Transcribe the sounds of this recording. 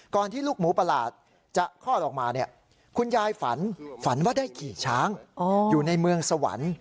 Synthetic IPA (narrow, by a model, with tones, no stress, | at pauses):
kɔː˨˩nt̪ʰiː˥˩luː˥˩k̚muː˩˦pa˧la̰ː˨˩t̪̚ | t͡ɕa˨˩kʰɔː˥˩ʔɔː˨˩k̚maː˧ni˥˩ə | kʰu˧njaː˧jfa̰˩˦nfa˩˦nwaː˥˩daː˥˩jkʰiː˨˩t͡ɕʰaː˦˥ŋː˧juː˨˩na˧jmɯ˧əŋsa˧wa̰˨˩˦n